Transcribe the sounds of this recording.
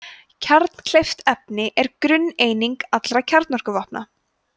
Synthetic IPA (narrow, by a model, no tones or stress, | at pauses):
cʰaɾt̪n̥kʰl̥ejft̪ɛp̚nɪʔɛɾkɾʏnːeːjniŋkat̪lɾacʰaɾt̪nɔr̥kʏvahpna̰